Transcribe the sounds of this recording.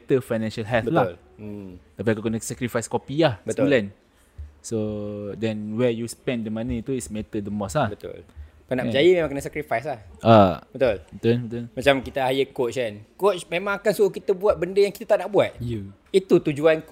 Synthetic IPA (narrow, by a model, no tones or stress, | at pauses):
t̪əfajnɛ̃nʃalɦɛltbəlal | t̪apiakokənəsɛkɾifajskopiahbət̪ulɛn | sodɛnwɛjuspɛ̃ndəmãnĩt̪uismet̪ədəmɔslahbət̪ʊ̰lkanaʔd͡ʒajəmẽmaŋkənəsakɾifajslahʔabət̪ulbət̪ubət̪ulmat͡ʃamkit̪aajəkot͡ʃkankot͡ʃmemãŋakansuokit̪əbuat̪̚bəndəjaŋkit̪at̪aʔnaʔbuat̪̚ | it̪ut̪ud͡ʒuank